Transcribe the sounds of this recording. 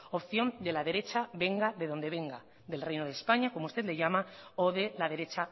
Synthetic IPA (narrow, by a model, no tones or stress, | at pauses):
opθjo̞nd̪e̞lað̞e̞ɾe̞t͡ʃaβe̞ŋɡaðe̞ðo̞nd̪e̞β̞e̞ŋɡa | ðe̞lrejnoð̞espaɲako̞moust̪e̞t̪leʝamaoðelað̞e̞ɾe̞t͡ʃa